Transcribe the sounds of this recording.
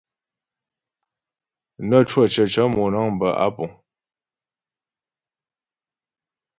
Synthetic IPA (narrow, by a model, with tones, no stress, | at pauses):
nə˦˨t͡ʃwə˦˨t͡ʃə˨t͡ʃə˦mɔ˨na˦˨ŋ˨bə˨ʔa̰˦pɔ˨ŋ